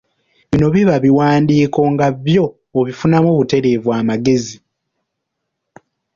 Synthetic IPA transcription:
βino̞βiβaβiwaːndiːko̞ŋɡaβjo̞ː | βifunamoβute̞ɾe̞ːvwaːmaɡe̞zi

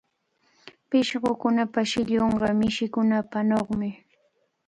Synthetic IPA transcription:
pɪʃɢokʊnapaʃɪʎoɴɢɑmɪʃɪkʊnapanoχmɪ

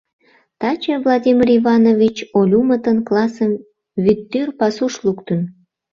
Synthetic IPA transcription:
t̪ɑt͡ɕəvlˠad̪ʲimʲirivɑnovʲit͡ɕolʲumət̪ənklɑsəm | vyt̪ːyrpɑsuʃlukt̪ən

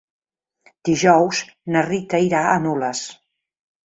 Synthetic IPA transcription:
d̪̥iʒɔwznərit̪əiɾaənoləs

